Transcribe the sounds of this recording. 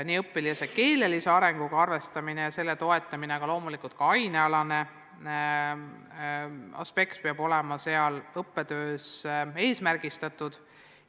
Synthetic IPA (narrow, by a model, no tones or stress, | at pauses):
niːɤpːˑiliɑseke̞ːle̞liseɑɾe̞ŋɡ̥uɡ̥ɑɑrve̞st̪ɑminejɑse̞lːe̞t̪o̞e̞t̪ːˑɑmineɡ̥ɑlo̞ːmulikult̪̚kɑɑjneɑlɑne̞ | ɑ̰spe̞kt̪̚peɑb̥o̞lɛmɑse̞ɑlɤpːe̞d̪ø̞ːse̞ːsmærɡ̥ist̪ɑt̪ud̪̥